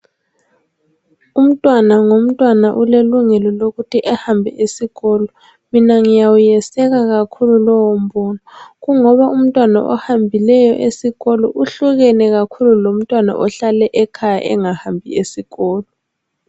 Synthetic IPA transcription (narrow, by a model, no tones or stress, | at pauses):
um̩tʼwanaŋom̩tʼwanaʔuleluŋɛlɔloɣutʰiʔɛhambʱɛʔesiɣɔːlɔ | minaŋijawujɛsɛɣaɣakʰululɔwom̩bɔːnɔɣuŋɔβaʔum̩tʼwana̰ʔɔ̰hambʱilɛjɔʔesiɣɔlɔʔuɬuɣɛnɛɣakʰululom̩tʼwana̰ʔɔɬalɛʔɛkʰaja̰ʔɛŋahambʱḭesiɣɔːlɔ